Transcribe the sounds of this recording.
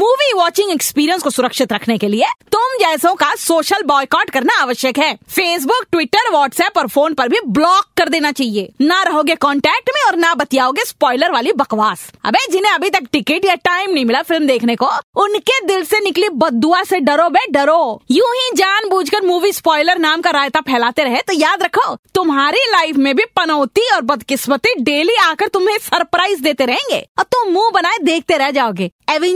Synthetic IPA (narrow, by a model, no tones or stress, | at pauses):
muːʋiʋɔːt͡ʃɪ̃ŋɡɛkspiːɾiənskosʊɾəkʃɪt̪ɾɐkʰnekeliet̪ʊmd͡ʒɛːsõkasoːʃəlbɔːjkɔːɾɖkɐɾnaaːʋəʃjəkɦɛːfeːs̬bʊkʈʋɪʈəɾʋɔːʈsɛːpɔːɾfʰoːnpɐɾbʱiblɔːkːɐɾd̪eːnat͡ʃaːɦieːnaɾɐɦoːɡekɔːɳʈɛːk̚ʈmẽɔːɾnabɐt̪ijaːoːɡespɔːɪləɾʋaːlibɐkʋaːsɐ̰beːd͡ʒɪnẽɐbʱit̪ɐkʈɪkɪʈjaʈaːɪmnɐɦĩmɪlafɪlmd̪eːkʰnekoʊnked̪ɪlsenɪklibɐd̪ːuaseɖɐɾobeɖɐɾojuːɦĩd͡ʒaːnbuːd͡ʒʱkəɾmuːʋispɔːɪləɾnaːmkaɾaːjt̪apʰɛːlaːt̪eɾɐɦet̪ojaːd̪ɾɐkʰoːt̪ʊmɦaːɾilaːɪfʰmẽbʱipɐnɔʊt̪iɔːɾbɐd̪kɪsmət̪iɖeːliaːkəɾt̪ʊmẽsɐɾpɾaːɪzd̪eːt̪eɾɐɦẽːŋɡḛːɔːɾt̪ʊmmũːbɐnaːed̪eːk̚ʰt̪eɾɛɦd͡ʒaːoːɡeːɛʋɪ̃